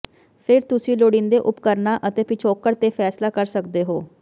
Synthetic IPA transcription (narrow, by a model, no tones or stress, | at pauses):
pʰɪɾt̪ʊsĩːloːɽĩnd̪eːʔʊpkəɾnaːʔət̪eːpɪt͡ʃʰoːkːəɾt̪eːpʰɛːslaːkəɾsəkd̪eːɦoː